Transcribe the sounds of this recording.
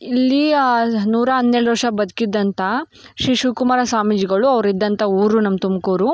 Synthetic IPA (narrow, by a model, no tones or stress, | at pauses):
ilːinuːɾɐɦɐnːeɭʋɐʂɐbɐd̪kid̪ːɐnt̪ɐ | ʃɾiːʃuːkumaːɾɐsaːmid͡ʒiɡɐɭuɐʋɾid̪ːɐnt̪ɐuːɾunɐmɐt̪umkoːɾu